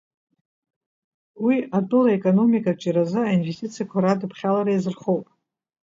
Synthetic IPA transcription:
wiatʼɨlaekʼono̞mikʼat͡ʃʼiɾazɨainve̞stʰʲʼit͡sʰijakʷʰaɾadɨpʰχʲalaɾajzɨrχo̞wpʼ

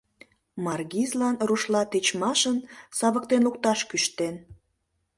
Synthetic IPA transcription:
mɑrɡizlɑnruʃlɑt̪et͡ɕmɑʃənsɑβək̚t̪enluk̚t̪ɑʃkyʃt̪en

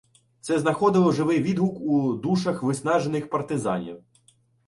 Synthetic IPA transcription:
tsɛznɐxɔd̪ɪlˠɔʒɪʋɪjʋʲid̪ɦʊkud̪uʃɐxʋɪsnɑʒenɪxpɐrt̪ɪzɑ̰nʲḭw

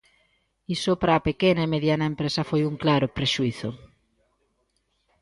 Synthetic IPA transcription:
isopɾaːpekenaemeðjanaempɾesafojuŋklaɾopɾeʃuiθo

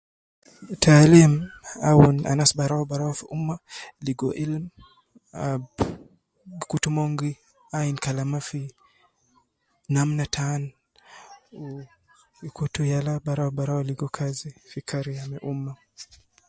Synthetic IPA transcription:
tʰalimawuna̰nasbaɾawɔbaɾawafiʔumːaliɡɔʔilm | ab | kutumɔŋɡi | ainkalamafi | namnatʰan | u | ikutujalabaɾawbaɾawɔliɡɔkʰazifikʰaɾiamɛʔuma

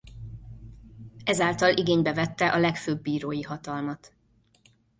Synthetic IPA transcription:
ɛzaːlt̪ɒlʔiɡeːɲbɛvɛt̪ːɛʔɒlɛkføːbːiːɾoːjiɦɒt̪ɒlmɒt̪

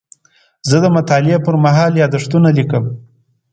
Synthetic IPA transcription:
zəd̪əmʊt̪ɑlɪapəɾmaɦɑljɑd̪əʂt̪unalikəm

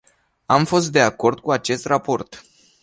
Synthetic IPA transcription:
amfo̞st̪̚d̪e̞ako̞rd̪̚kuat͡ʃe̞st̪rapo̞rt̪

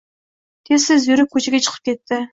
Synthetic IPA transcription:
t̪ʰesɪzjyɾɪp̚kʲʰːɵt͡ʃʰeɡʲet͡ʃʰə̥qʰə̥p̚kʲʰet̪ʰːɪ

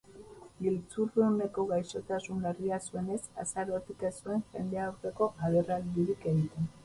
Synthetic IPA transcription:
ilt͡surune̞ko̞ɣajso̞t̪asuneriasue̞ne̞sa̰saɾo̞t̪ikesue̞ŋxe̞̰nd̪e̞awɾt̪e̞ko̞ʔaðerald̪iɾike̞ɣit̪e̞n

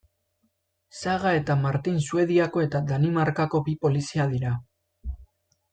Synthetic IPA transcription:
saɣae̞t̪amaɾt̪insue̞ð̞iako̞e̞t̪ad̪animaɾkako̞bipo̞lisiaðiɾa

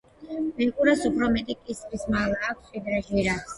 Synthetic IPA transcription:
mɛkʼuɾasupʰɾɔmɛt̪ʼikʼisɾismalˠaːkʷʰsid̪ɾɛʒiɾats

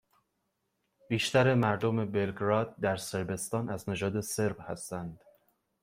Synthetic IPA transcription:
biːʃt̪æɾe̞mæɾd̪ome̞be̞lɡɾɒːd̪̚ːæɾse̞ɾbe̞st̪ɒːnæzned͡ʒɒːd̪e̞se̞ɾbhæst̪ænd̪̥

